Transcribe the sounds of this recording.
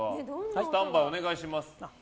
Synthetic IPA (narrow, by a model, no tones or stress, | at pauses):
at̪ãmbaio̞ne̞ɡaiɕimasɨ̥